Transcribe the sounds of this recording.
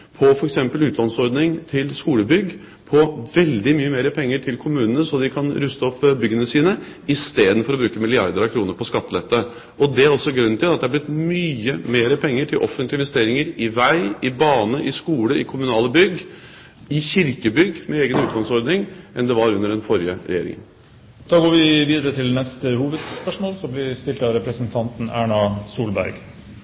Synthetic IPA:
pʰɔfɔɾɛksɛmpəlʉːt̪ʰlɑnsɔɾd̪nɪŋt̪ʰɪlskuːləbʏɡ | pʰɔʋɛld̪ɪmyːəmeːɾəpʰɛŋːəʈʰɪlkʰʊmʉːnənəsɔd̪ɪkʰɑnɾʉːst̪əɔpːbʏɡənəsiːnəɪst̪eːd̪n̩fɔɾɔbɾʉːkəmɪlɪɑ̰ɾd̪əɾɑʋkʰɾuːnəɾpʰɔskɑt̪ːlɛt̪ːə | ʔɔd̪ɛæɾɔsːɔɡɾʉnːt̪ʰɪlɑt̪d̪ɛhæɾblɪt̪myːəmeːɾəpʰɛŋːəʈʰɪlʔɔfənt̪lɪnʋɛst̪eːɾɪŋəɾɪʋæɪɪbɑːnəʔɪskuːləɪkʰʊmʉnɑːləbʏɡː | ɪçɪɾkəbʏɡːmɛeːɡənʉːt̪̚ɡ̪ɑŋsɔɾd̪nɪŋʔɛnd̪ɛʋɑɾʉnːəɖɛnfɔɾjəɾɛ̰jeːɾɪ̰ŋə̰n | d̪̥ɑːɡoːʋɪʋiːd̪əɾət̪ʰɪlnɛst̪əhuːʋəd̪spœʂmoːlsɔblɪst̪ɪlt̪ɑɾɛpɾəsənt̪ʰɑnt̪n̩æːɳɑsuːlbæ̰ɾɡ

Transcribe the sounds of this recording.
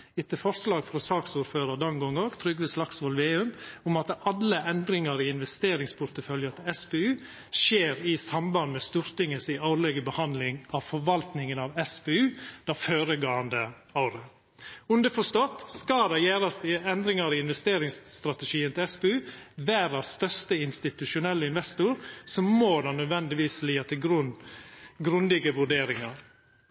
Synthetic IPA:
ɪt̪ːəfɔɾslɑːɡfɾɔsɑːksuːɾføːɾəd̪ɔnɡɔŋɔɡt̪ʰɾʏɡʋɪslɑksʋɔlʋeːʉmʊmɑt̪ɑlːəʔɛnd̪ɾɪŋɑɾɪɪnʋɛst̪eːɾɪŋspʰʊɾt̪əfœljət̪ʰɪɛspeːʉː | ʃeːɾɪsɑmbɑnd̪mɛst̪uːɾt̪ɪŋəsɪɑʊlɛɡəbəhɑnd̪lɪŋɑʋfɔɾʋɑlt̪nɪŋənɑʋɛspeːʉːd̪̥ɑføːɾəɡɑːənd̪ə | ɑʊɾə | ʉnd̪əfɔʂt̪ɔt̪skɑd̪ɛjæːɾɑst̪ɪɛnd̪ɾɪŋɑɾɪɪnʋɛst̪eːɾɪŋsːt̪ɾɑt̪əʃiːənt̪ʰɪlɛspɛʉːʋæːɾɑsst̪œɾst̪əɪnst̪ɪt̪ʉʂʊnɛlːəɪnʋɛst̪ʊɾsɔmːoːd̪ɑnœd̪ʋɛnd̪ɪʋiːsliːɑt̪ʰɪlɡɾʉnɡɾʉnd̪ɪɡəʋʉɖeːɾɪŋɑɾ

